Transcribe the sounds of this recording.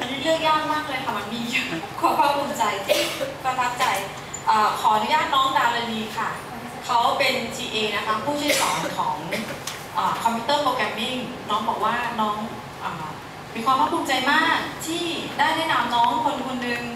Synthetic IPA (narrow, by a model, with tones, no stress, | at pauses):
ma˧nːdi˥ɾɯ˥˩ək̚jaː˥˩k̚maː˥˩k̚lɤː˧jkʰa˥˩ma˧nmiː˧ju˦˩kʰuː˥˩pʰa˥˩pʰu˧mt͡ɕa˧jt̪ʰi˥˩pɾa˧t̪ʰa˦˥p̚t͡ɕa˧j | ʔaː˨˩kʰɔː˩˦ʔa˧nu˧˦jaː˥˩t̪̚nɔː˦˥ŋdaː˧wla˧niː˧kʰa˥˩ | kʰa˦˥wpe˧nt͡ɕiː˧ʔeː˧na˦˥kʰa˦˥pʰuː˥˩t̪ʰːsɔː˩˦nkʰɔː˩˦ŋ | ʔaː˨˩kʰɔ˧pʰi˧˦˥t̪ɤː˥˩poː˧kɛ˧mːi˥˩ŋ | nɔː˦˥ŋbɔː˨˩k̚waː˥˩nɔː˦˥ŋ | ʔaː˨˩ | miː˧kwaː˧pʰa˥˩pʰuː˧mt͡ɕa˧jmaː˥˩k̚t̪ʰiː˥˩daː˥˩jnɛ˦˥ʔna˧mnɔː˦˥ŋkʰo˧nkʰo˧nːɯ˧ŋ